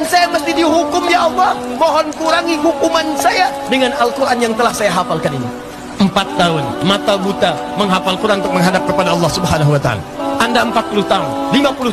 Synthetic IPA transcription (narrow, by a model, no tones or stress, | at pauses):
nsajaməst̪idiɦukʊmjawamɔɦɔnkuɾaŋiɦukumansaja | dəŋanalkuɾʔanjaŋt̪əlahsajaɦafalkaninḭ | əmpat̪ːaʊnmat̪abut̪aməŋɦafalkuɾʔannt̪uk̚məŋɦadap̚kəpadaɑlːɑhsubɦanaɦuwat̪aa̰la̰ʔandaəmpat̪̚puluht̪aʊnlimapulu